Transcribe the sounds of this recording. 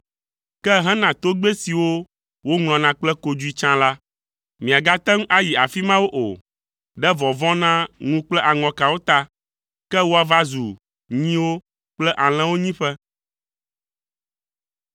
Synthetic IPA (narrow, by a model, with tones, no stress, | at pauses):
kɛ˦ɦɛ̃˦nã˨t̪o˦ɡ͡be˦si˨wo˦ | wo˦ŋl̃ɔ̃˨nã˦k͡plɛ˦ko˨d͡ʒu˦i˦t͡ʃã˦la˦ | mĩ˨a˨ɡa˦t̪ɛ˦ŋ˦ʔa˦ji˨a˨fi˦mã˦wo˦ʔo̰˨ | ɖɛ˦vɔ̃˨vɔ̃˦nã˦ŋũ˦k͡plɛ˦ʔa˨ŋɔ̃˨ka˨wo˦t̪a˦ | kɛ˦wo˦a˨va˦zu˨ | ɲĩ˦wo˦ | k͡plɛ˦ʔa˨l̃ɛ̃˦wo˦ɲĩ˦ɸɛ˦